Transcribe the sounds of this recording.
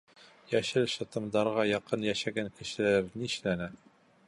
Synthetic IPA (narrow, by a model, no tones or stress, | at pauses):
jæʃɘlʃɤ̆t̪ɤ̆md̪ɑɾʁɑjɑqɤnjæʃæɡæŋkɘ̆ʃɘ̆læɾniɘʃlænæ